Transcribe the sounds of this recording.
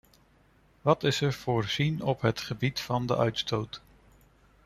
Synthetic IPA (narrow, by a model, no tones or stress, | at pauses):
ʋɑtɪsəɹv̥ʊːɹz̥inɔpɦətχəbitfɑndə̰ʔœɥtstowt